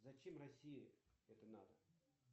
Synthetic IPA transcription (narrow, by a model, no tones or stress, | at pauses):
zɐt͡ɕemrɐsʲijiɛt̪əna̰d̪ə